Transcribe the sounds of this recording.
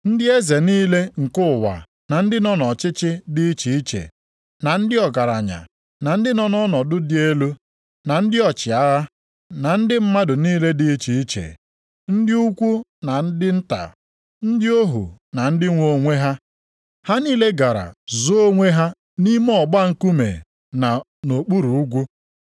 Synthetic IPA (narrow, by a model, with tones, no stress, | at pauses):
n̩˦dɪ˦e˦ze˨niː˦le˦ŋ̩˨kʊ˦˨wa̰˨ | na˨n̩˦dɪ˦nɔ˦nɔ˨t͡ʃɪ˦t͡ʃɪ˦dɪ˦i˦t͡ʃi˨i˦t͡ʃḛ˨ | na˨n̩˦dɪ˦ɔ˨ɡa˨ɾa˨ɲa̰˨ | na˨n̩˦dɪ˦nɔ˦nɔ˦nɔ˨dʊ˦dɪ˦e˦lu˦ | na˨n̩˦dɪ˦ɔ˨t͡ʃɪ˨a˦ɣa˦ | na˨n̩˦dɪ˦m̩˦ma˦dʊ˨niː˦le˦dɪ˦t͡ʃi˨i˦t͡ʃḛ˨ | n̩˦dɪ˦u˦kʷu˦na˨n̩˦dɪ˦n̩˦ta̰˨ | n̩˦dɪ˦o˦ɦṵ˨na˨n̩˦dɪ˦ŋʷo˨ŋʷe˦ɦa˦ | ha˦niː˦le˦ɡa˨ɾa̰˨zo˦ŋʷe˦ɦa˦ | ni˦m˦ɔ˨ɡ͡ba˦ŋ̩˦ku˦mḛ˨ | na˨ | no˨k͡pu˦ɾu˨u˦ɡʷu˦